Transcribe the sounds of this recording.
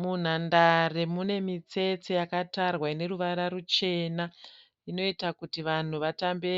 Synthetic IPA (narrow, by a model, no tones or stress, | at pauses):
mun̤andaremune̞mit͡se̞t͡sejakatarwaine̞ruʋaɾaɾut͡ʃe̞ːna | ino̞itakutiʋan̤uʋatambe